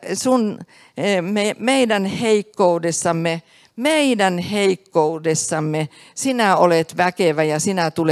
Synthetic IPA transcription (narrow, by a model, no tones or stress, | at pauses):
sun | memeidænheikːoudesːɑmːe | meidænheikːoudesːɑmːe | sinæolet̪ʋækeʋæjɑsinæt̪ule